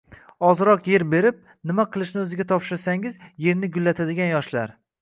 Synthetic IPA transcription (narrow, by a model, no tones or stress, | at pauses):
ɒzɾɒqje̞ɾbe̞ɾɪp̚ | nɪmaqʰɨlˠɪʃnɪɵzɪɡʲat̪ʰɒpʃɪɾsaŋɪzje̞ɾnɪɡʊlːat̪ʰad̪ɪɡʲanjɒʃlaɾ